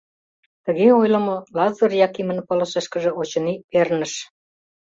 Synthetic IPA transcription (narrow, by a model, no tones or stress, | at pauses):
t̪ə̆ɣeojlə̆molɑzɤrjɑkimə̆npŏlɤ̆ʃĕʃkə̆ʒɤ̆ot͡ɕɤ̆nipernə̆ʃ